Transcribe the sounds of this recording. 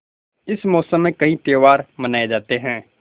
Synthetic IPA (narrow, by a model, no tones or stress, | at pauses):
ɪsmɔːsəmẽːkəɦĩːt̪eːʋaːɾmənaːed͡ʒaːt̪eːɦɛ̃ː